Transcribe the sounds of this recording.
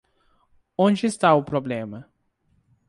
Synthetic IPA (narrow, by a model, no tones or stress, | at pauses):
õd͡ʒɪɪst̪aʊpɾoblẽmɐ